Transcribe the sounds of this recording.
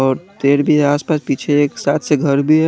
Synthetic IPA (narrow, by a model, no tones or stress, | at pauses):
ɔːɾt̪eːɾbʱiaːspaːspiːt͡ʃʰeeːksaːt̪ʰseɡʱɐɾbʱiɦɛ